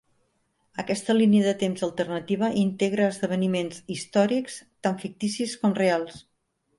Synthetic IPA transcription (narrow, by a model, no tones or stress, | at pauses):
əkɛst̪əliniəðət̪emzəlˠt̪ərnət̪iβ̞əʔint̪eɣɾəːzðəβ̞ənimenzist̪ɔɾikst̪aɱfik̚t̪isiskɔmrealˠs